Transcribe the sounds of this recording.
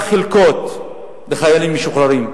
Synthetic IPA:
χilkot̪ | beχajalimːeʃuχɾaɾim

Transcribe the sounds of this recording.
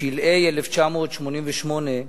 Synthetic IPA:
ilʔejɛleft͡ʃamoːt̪ʃmonimveʃmone

